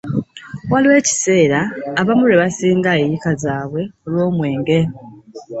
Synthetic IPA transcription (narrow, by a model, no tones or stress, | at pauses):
waliwe̞ːci̥se̞ːɾaːβamuɾe̞βasiːŋɡaejikazaːβwe̞olwo̞ːmwe̞ːŋɡe̞